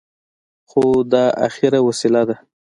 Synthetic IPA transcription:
xod̪ɑa̰xɪɾawasɪlad̪a

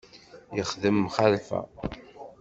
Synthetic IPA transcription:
jəχðəmːχalfæ̰

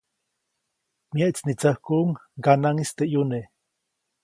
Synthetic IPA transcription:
mjaʔit͡snit͡sahkuʔŋɡanaŋist̪eʔjune

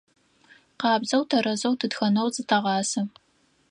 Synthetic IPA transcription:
qɑːbzɐwtʰɐɾɐzɐwtʰɨdxɐnɐwzɨtʰɐʁɑːsɐm

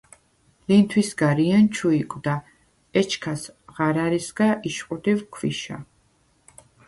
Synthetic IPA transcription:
lint̪ʰwisɡaɾiant͡ʃʰuikʼwd̪a | ɛt͡ʃʰkʰasʁaɾaɾisɡaʔiʃqʼud̪ivkʰwḭʃa̰

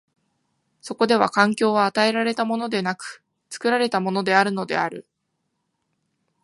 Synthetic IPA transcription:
so̞ko̞d̪e̞β̞akãŋkʲo̞ːβaːt̪ae̞ɾaɾe̞t̪amo̞no̞d̪e̞nakɯ̟̥ | t͡sɨ̥kɯ̟ɾaɾe̞t̪amo̞no̞d̪e̞aɾɯ̟no̞d̪e̞̰aɾɯ̟

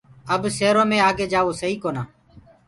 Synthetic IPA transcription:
əbseːɾõːmẽːaːɡeːd͡ʒaːʋoːsəɦiːkoːnaː

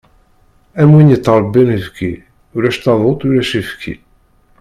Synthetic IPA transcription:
æmwinit̪ˤːəɾˤbinifki | uɾæʃt̪ɑðˤot̪ˤuɾæʃifkʰḭ

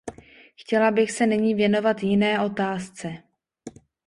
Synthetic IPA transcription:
xcɛlabɪxsɛnɪɲiːvjɛno̞vat̪jɪnɛːʔo̞t̪aːst͡sɛ

